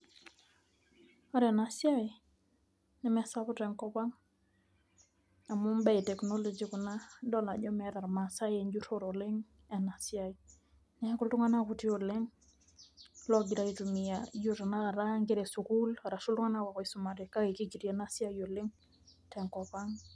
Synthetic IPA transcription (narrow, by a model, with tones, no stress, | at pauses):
ɔɾɛ˨na˨sja˦ɪ | nɛ˦mɛ˨sapɔ˦tɛ˨ŋkɔpa˦ŋ | a˨mu˦mba˦jtɛ˨knɔ˦lɔd͡ʒiku˨nadɔ˦la˨d͡ʒɔ˦mɛɾa˨ɾma˨sa˦jɛɲd͡ʒutoɾolɪ˦ŋ | ɛ˨na˨sjai˨ | nɛ˦ku˦ltu˦ŋa˦nakʊ˨ti˦o˨lɪ˦ŋ | lɔ˦ɡɪ˨ɾaitumiad͡ʒuɾana˦a˨ɾa˦ŋɡɪ˦ɾe˨sukula˨ɾa˨su˦ltu˦ŋa˦na˦ka˨kɔ˨isʊma˨ɾe˨ka˦ke˨ki˦ɡi˨ɾjena˦sja˦jo˨lɪ˦ŋ | tɛ˨ŋkɔ˨pa˦ŋ